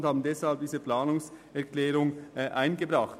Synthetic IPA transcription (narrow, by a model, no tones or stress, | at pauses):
nthaːbn̩dɛshalb̚d̥iːzəplaːnʊŋsɛɐklɛːʁʊŋʔaɪnɡəbʁɑχt